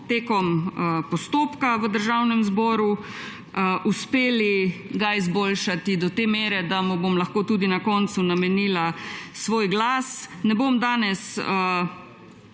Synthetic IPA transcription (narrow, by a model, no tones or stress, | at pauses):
t̪eːkɔmpɔst̪oːpkaʋəd̪əɾʒawnɛmzbɔːɾu | ʔuspeːliɡaizboːlʃat̪id̪ɔt̪eːmeːɾɛd̪amubomlɐxkoːt̪uːd̪inakɔnt̪sunamɛniːlasʋoːjɡlaːsnɛbomd̪aːnɛsə